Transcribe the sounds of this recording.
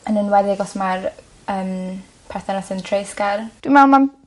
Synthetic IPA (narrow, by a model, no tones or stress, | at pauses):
ənənwɛðɪɡɔsmar | əːm | pʰɛθɛnɔsəntʰrejskard̥wimawlˠman